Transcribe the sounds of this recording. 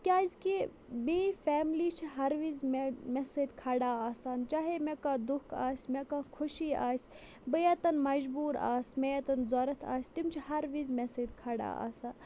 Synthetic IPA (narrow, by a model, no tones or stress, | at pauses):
kʲaːizki | meːfɛːmlit͡ʃʰiɦɐɾʋizmmesed̪kʰɐɽaːaːsaːnt͡ʃaːɦemekaːd̪ukʰaːsʲmekaːkʰuʃiːa̰ːsʲ | bəjɐt̪ɐnmɐd͡ʒbuːɾa̰ːsmejɐt̪ɐnzoːɾɐt̪ʰa̰ːsʲt̪imt͡ʃʰiɦɐɾʋizmesed̪kʰɐɽa̰ːa̰ːsaːn